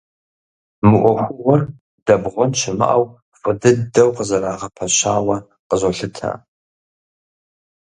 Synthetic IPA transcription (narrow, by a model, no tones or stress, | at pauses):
mɨʔʷɔxʷʊwɐr | d̥ɐbʁʷɔnt͡ʃʰɪmɨ̰ʔaw | fʼɨdɨdɐwqəzɐɾaːʁɐpʰɐʃaːwɐ | qəzoɬɨtʰa̰